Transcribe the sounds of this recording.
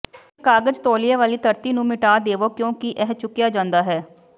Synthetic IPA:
kaːɡəd͡ʒt̪oːlɪjãːʋaːliːt̪əɾt̪iːnũːmɪʈaːd̪eːʋoːkjõːkɪʔɛːɦt͡ʃʊkːjaːd͡ʒãːnd̪aːɦɛː

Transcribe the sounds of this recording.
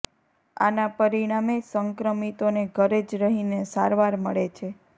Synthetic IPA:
a̰napəɾiɽ̃amesəŋkɾəmit̪oneɡʱəɾed͡ʒɾəɦinesa̰ɾʋaɾmə̰ɭet͡ʃʰe

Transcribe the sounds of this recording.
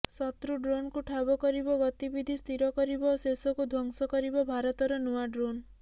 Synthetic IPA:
sɔt̪ɾuɖɾonkuʈʰabɔkɔɾibɔɡɔt̪ibid̪ʱist̪ʰiɾɔkɔɾibɔsesɔkud̪ʱwɔŋsɔkɔɾibɔbʱaɾɔt̪ɔɾɔnuaɖɾon

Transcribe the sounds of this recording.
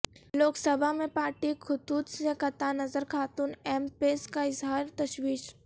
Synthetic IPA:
loːksɐbʱamẽpaːɾʈikʰʊt̪uːd̪sẽkɐt̪anɐzəɾkʰaːt̪uːnɛːmpeːskaɪzɦaːɾt̪ɐʃwiːʃ

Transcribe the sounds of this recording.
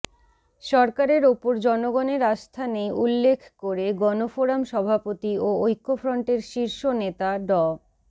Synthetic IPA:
ʃɔɾkaɾeɾopoɾd͡ʑɔnoɡɔneɾast̪ʰanejulːekʰkoɾeɡɔnofoɾamʃɔbʱapot̪ioojkːofɾɔɳʈeɾʃiɾʃonet̪aɖɔ

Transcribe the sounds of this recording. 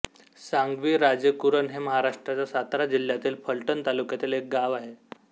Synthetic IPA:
saŋɡʋiːɾad͡zəkuɾənɦeməɦaɾaʂʈɾat͡ɕasat̪ɾad͡ʑil̤ːjat̪iːlfʰəɭʈənt̪alukjat̪iːlek̚ɡaʋaɦe

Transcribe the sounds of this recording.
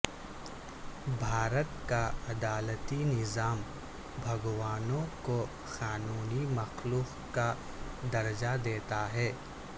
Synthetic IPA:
bʱaːɾət̪kaɐd̪aːlət̪inɪzaːm | bʱɐɡwaːnõko | xaːnuːnimɐxluːq | ka | d̪ɐɾd͡ʒad̪eːt̪aɦɛː

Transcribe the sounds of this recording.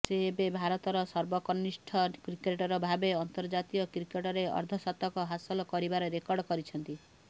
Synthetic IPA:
seːbebʱaɾɔt̪ɔɾɔsɔɾbɔkɔnːisʈʰɔkɾikeʈɔɾɔbʱabeɔnt̪ɔɾd͡ʒat̪ijɔkɾikeʈɔɾeɔ̰ɾd̪ʱɔsɔt̪ɔkɔɦasɔlɔkɔɾibaɾɔɾekɔɾɖɔkɔɾit͡ʃʰɔnt̪i

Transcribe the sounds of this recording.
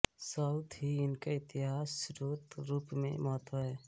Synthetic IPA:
səʊt̪ɦiɪnkeɪt̪ɪɦaːsɾut̪ɾuːpmḛ̃mɔt̪əɦɛ

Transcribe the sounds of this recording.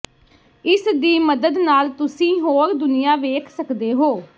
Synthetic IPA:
ɪsd̪iːməd̪əd̪naːlt̪ʊsĩːɦoːɾd̪ʊnɪjaːʋeːkʰsəkd̪eːɦoː

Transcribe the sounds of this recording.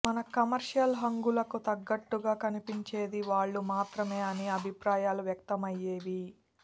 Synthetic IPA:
mɐnɐkɐmɐɾʂjɐlɦɐŋɡulɐkut̪ɐɡːɐʈːuɡaːkɐnipiɲt͡ʃe̞ːd̪iʋaːɭːumaːt̪ɾɐme̞ːɐniɐbʱipɾaːjaːluʋjɐk̚t̪ɐmɐjːeːʋi

